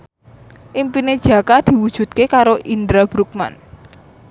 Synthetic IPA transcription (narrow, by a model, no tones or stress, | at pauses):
ʔimpined̥ʒ̥ä̤kad̪̥i̤wud̥ʒ̥ṳt̪̚kekaɾoʔind̪ɾab̥ɾuk̚ma̰n